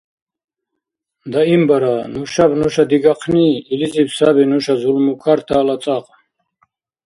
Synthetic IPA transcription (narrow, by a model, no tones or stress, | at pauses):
d̪aimbaɾanuʃabnuʃad̪iɡaqʰniːlizibsabinuʃazulmukʰaɾt̪ʰaːlat͡s̪ʼaqʼ